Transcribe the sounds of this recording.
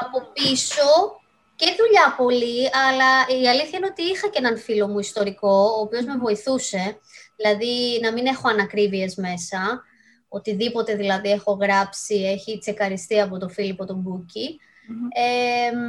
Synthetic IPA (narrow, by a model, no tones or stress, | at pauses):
ɐpo̞piso̞ | ceðuʎɐpo̞liɐlɐiɐliθçɐineot̪iixɐceenɐnfilo̞muist̪o̞ɾiko̞oːpio̞zme̞vo̞iθuse̞ðilɐðinɐmine̞xo̞ɐnɐkɾivie̞zme̞sɐ | o̞t̪iðipo̞t̪e̞ðilɐðie̞xo̞ɣɾɐpsie̞çit͡se̞xɐɾist̪iɐpo̞t̪o̞filipo̞t̪o̞buci | e